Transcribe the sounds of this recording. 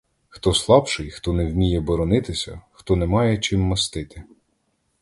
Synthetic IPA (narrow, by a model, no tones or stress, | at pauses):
xt̪ɔslˠɑpʃɪjxt̪ɔnɛwmʲijɛbɔɾɔnɪt̪ɪsʲɐ̰xt̪ɔnɛmɑjɛt͡ʃɪmːɐst̪ɪt̪ɪ